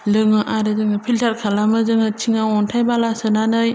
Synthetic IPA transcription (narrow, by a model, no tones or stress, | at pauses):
lɯŋɯʔaɾɯzɯŋɯpʰiltʰaɾkʰalamɯzɯŋɯt͡ʃʰiŋawɔntʰajbalasɯnanɯj